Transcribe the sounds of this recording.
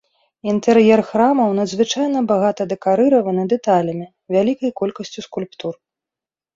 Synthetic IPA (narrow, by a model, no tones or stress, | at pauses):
int̪ɛrjɛrxɾamɐwnɐd̪zvɨt͡ʂajnɐbaɣat̪ɐd̪ɛkaɾɨɾɐvɐnɨd̪ɛt̪alʲɐmʲi | vʲalʲikɐjkɔlʲkɐsʲt͡sʲuskulʲpt̪ur